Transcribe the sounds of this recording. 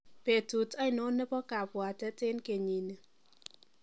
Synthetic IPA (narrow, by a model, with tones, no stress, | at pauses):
pe˨tu˨ta˦ɪ˨˦no˨˦nɛ˦pɔ˦ka˨pwa˨tɛ˦tɪ˦nke˨ɲi˨ne˨